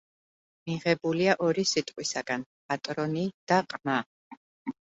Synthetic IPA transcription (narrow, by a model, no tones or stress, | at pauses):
miʁɛbuliaʔɔɾisit̪ʼqʼwisaɡ̥anpʼat̪ʼɾɔnid̪̥aqʼma